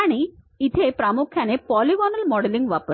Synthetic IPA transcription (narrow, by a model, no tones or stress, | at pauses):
ɳi | it̪ʰepɾamukʰːɐnepɔːliʋɔːnɐlmɔɽeliŋɡʋapɐ